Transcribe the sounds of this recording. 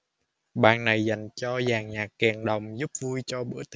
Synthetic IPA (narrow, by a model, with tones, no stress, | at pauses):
ɓa̰ː˧˨ŋna˨˩jza˨˩jŋ̟t͡ɕɔ˧zaː˨˩ŋɲaː˨˩kːɛ˨˩ŋɗə˨˩wŋ͡mzu˦˥p̚vu˧jt͡ɕɔ˧ɓɨ̰˧˦ət̪